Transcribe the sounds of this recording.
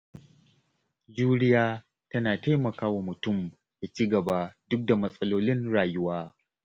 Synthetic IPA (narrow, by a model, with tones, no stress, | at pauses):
d͡ʒuː˦ɾɪ˦jaː˦ | tɐ˦naː˨ta˦jmɐ˨kaː˦wa˨mʊ˨tʊ˦˨m | ja˨t͡ʃiː˦ɡɐ˨ba˦dʊ˦k̚da˨mɐ˦sʼɐ˦loː˦lɪ˦nɽaː˨jʊ˦waː˦